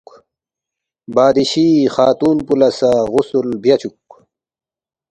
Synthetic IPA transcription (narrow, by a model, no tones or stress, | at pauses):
baːd̪iɕixaːt̪uːnpulɐsaɣʊsulbjat͡ɕuk